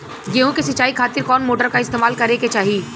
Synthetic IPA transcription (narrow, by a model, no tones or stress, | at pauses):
ɡeːɦõkesɐt͡ʃːaːikʰaːt̪ɪɾkɔːnmoːʈəɾkaɪst̪eːmaːlkɐɾeket͡ʃaːɦiiː